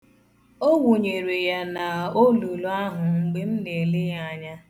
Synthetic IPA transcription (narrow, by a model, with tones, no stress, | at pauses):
o˦wu˨ɲe˨ɾe˨ja˦na˨o˦lu˨lu˦a˦ɦʊ˨ŋ͡m̩˦ɡ͡be˦n̩˦ne˨lɪ˦ja˨ɲa˦